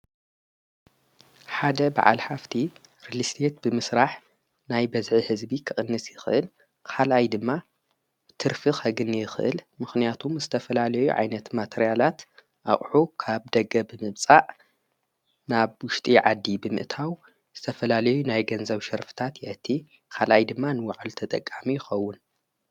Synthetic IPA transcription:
ħad̪ɐba̰ʕa̰lħaft̪ʰi | ɾilist̪ʰet̪̚bɨmɨsɾaħ | najbɐzʕihɨzbikʰɨχʼɨnːɨsjɪxɨʔɨl | kʰalʔajd̪ɨmːa | t̪ʰɨɾfɨxɐɡɨnjɪxɨʔɨ̰lmɨxnijat̪ʰumzɨt̪ʰɐfɐlalɐjṵʕa̰jnɐt̪mat̪ʰeɾijalat̪ | ʔaχʼħukʰaβd̪ɐɡɐbɨmɨβt͡sʼaʔ | naβwʊʃt̪ʼiʕad̪ːibɨmɨ̰ʔt̪ʰaw | z̥ɨt̪ʰɐfɐlalɐjunajɡɐnzɐβʃɐɾfɨ̥t̪ʰat̪jɪʔɐt̪ʰːi | kʰalʔajd̪ɨmːanɨwaʕalt̪ʰɐt̪ʼɐkʼːamijɪxɐwːʊn

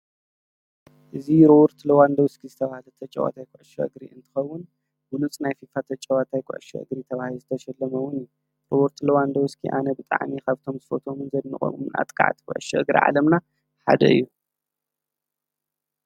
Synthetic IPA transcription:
ʔɨziɾowɾt̪ʰlɐwand̪ɐwskʰizɨt̪ʰɐβahalɐt̪ʰɐt͡ʃʼːɐ̰wa̰t̪ʰajkʼuʕʃɐ̰ʔɨ̰ɡɾḭɨnt̪ʰɨ̥xɐwːʊn | ɡulut͡sʼnajfifat̪ʰɐt͡ʃʼɐwat̪ʰajkʷʼṵʕʃɐ̰ʔɨ̰ɡɾit̪ʰɐβahiluzɨt̪ʰɐʃɛlːɐmɐwʊnju | ɾowɔɾt̪ʰlɐwand̪ɐwʊskʰḭʔa̰nɐbɨt̪ʼa̰ʕmikʰaβt̪ʰo̞mzɨfot̪ʰo̞mɨnzɐd̪nɨ̰χʼo̰mumɨnʔa̰t̪ʼkʼa̰ʕt̪ʰi̥kʷʼṵʕɨʃɛʔɨɡɾḭʕa̰lɐmna | ħa̰d̪ɐ̰ɨ̰jːu

